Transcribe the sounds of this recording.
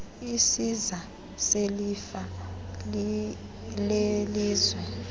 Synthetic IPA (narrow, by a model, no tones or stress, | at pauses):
isiza | selifa | leliːzwɛ